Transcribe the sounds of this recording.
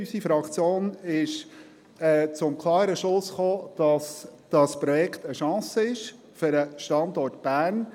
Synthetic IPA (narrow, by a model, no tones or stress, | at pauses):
ysifɾɑkt͡sjoːnɪʃ | ɛːt͡sʊmkʰlɑːɾəʃlʊsχoːd̥ɑsd̥ɑspɾɔjɛkʰtəʃɑ̃ːsəɪʃ | fʏɾəʃtɑndɔrtb̥æːn